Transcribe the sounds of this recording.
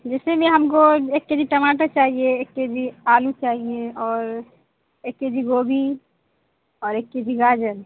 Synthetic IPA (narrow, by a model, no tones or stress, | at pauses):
d͡ʒɛːsemẽɦɐmkoeːkːed͡ʒiʈɐmaːʈat͡ʃaːɦieeːkːed͡ʒiaːlũt͡ʃaːɦieɔːɾ | eːkːed͡ʒiɡoːbʱi | ɔːɾeːkːed͡ʒiɡaːd͡ʒəɾ